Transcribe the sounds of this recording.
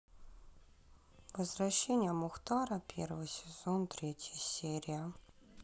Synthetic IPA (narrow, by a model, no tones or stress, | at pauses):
vəzvrɐɕːenʲɪjəmʊxt̪ɑɾəpʲervɨsʲɪz̥ont̪ɾʲetʲjəsʲeɾʲɪjə